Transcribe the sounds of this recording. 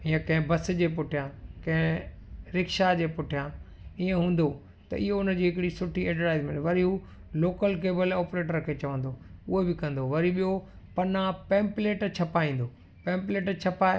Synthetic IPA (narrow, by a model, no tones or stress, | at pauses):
ijãkɐ̃ɦɪ̃bɐs̆d͡ʑeːpʊʈʰijãkɐ̃ɦɪ̃ | ɾɪkʃad͡ʑeːpʊʈʰijã | iːẽɦũːnd̪o | t̪ɐ̰ʔɪɦoʊnə̆d͡ʑiːɦɪkɪɽisʊʈʰiɛːʈəʈaːɪzmẽnʋɐɾiu | loːkəlk̬eːbəlɔːpɾeːʈəɾkʰet͡ɕɐʋə̃nd̪oʊɦebɪkɐ̃nd̪oʋɐɾiɓijo | pɐnãpẽːmpleːʈt͡ɕʰɐpaĩːnd̪o | pẽːmpleːʈt͡ɕʰɐpaː